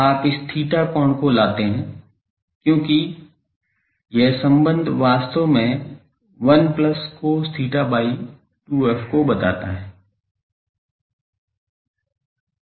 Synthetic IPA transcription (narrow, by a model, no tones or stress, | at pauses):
aːpɪst̪ʰiːʈakɔːɳkolaːt̪eɦɛ̃ː | kjõːki | jesə̃mbə̃nd̪ʱʋaːst̪omẽ | ʋɐnpləskost̪ʰiːʈabaːi | ʈuːɛːfkobɐt̪a̰ːt̪a̰ɦɛ̃ː